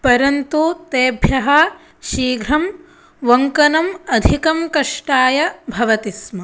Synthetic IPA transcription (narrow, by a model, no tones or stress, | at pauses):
pɐɾɐnt̪ut̪eːbʱjɐɦɐ | ʃiːɡʱɾɐm | ʋɐŋkɐnɐmɐd̪ʱikɐmkɐʂʈaːjɐbʱɐʋɐt̪ismɐ